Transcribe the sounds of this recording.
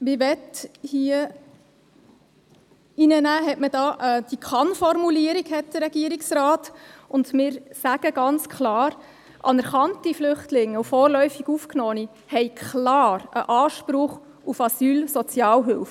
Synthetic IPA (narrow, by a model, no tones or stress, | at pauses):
ʋiːʋɛthiə | inənæːɦɛtməd̥ɑːʔɛd̥ikʰɑnfɔrmuliəɾiɡhɛt̚d̥əɾɛɡ̥iəɾiksrɑːtʊndmɪːɾsæɡ̥əɡɑnt͡skʰlɑːɾ | ʔɑ̰nɛɾχɑntiflʏχtlɪŋːəufɔːɾlœʏfiɡufknɔːni | hɛɪkʰχlɑːɾə̰ʔɑːʃpɾʊχ | ufɑsyːlsɔt͡sjɑːlɦʏlf